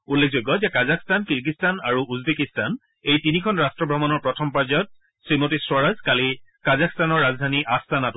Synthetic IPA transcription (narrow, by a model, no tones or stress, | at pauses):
ulːekʰzojɡːɔzɛkazakstankiɹkistanaɹuuzbekistan | ejtinikʰɔnɹastɹɔbʱɹɔmanɔɹpɹɔtʰɔmpaɹzɔt̚ | sɹimotiswaɹazkalikazakstanɔɹːazdʱaniʔastanat